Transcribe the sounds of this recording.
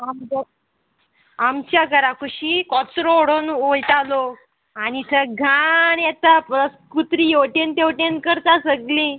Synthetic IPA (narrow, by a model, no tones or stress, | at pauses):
ama | amt͡ɕjaɡəɾakuɕiːkɔt͡sɾooɽonojt̪alo | anit̪ʰəɡʱaɳjɛt̪apɔskut̪ɾijoʈent̪ewʈenkəɾt̪asəɡlĩ